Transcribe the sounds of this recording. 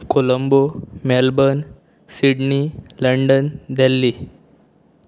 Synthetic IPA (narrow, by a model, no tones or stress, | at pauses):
koləmbomɛlbən | siɽniləɳɖənd̪ʱɛlːi